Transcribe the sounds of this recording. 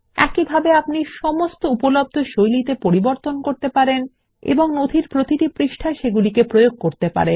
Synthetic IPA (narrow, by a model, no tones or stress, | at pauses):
ɛ̰kibʱabeapniʃɔmost̪oupolob̚d̪ʱoʃojlit̪epoɾiboɾt̪onkoɾt̪epaɾen | ḛboŋnod̪ʱiɾpɾot̪iʈipɾiʃʈʰaʃeɡulikepɾojoɡ̚koɾt̪epa̰ɾen